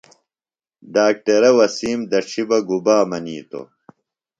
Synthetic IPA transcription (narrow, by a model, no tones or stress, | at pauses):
ɖaːk̚ʈɐɾɐwɐsiːmd̪ɐʂʰibɐɡubaːmɐniːt̪o̰